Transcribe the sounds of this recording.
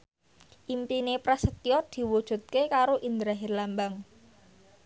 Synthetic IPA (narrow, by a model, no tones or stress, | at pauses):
ʔimpinepɾasət̪iɔt̪̚d̪̥i̤wud̥ʒ̥ṳt̪̚kekaɾoʔind̪ɾaɦɪrlambaŋ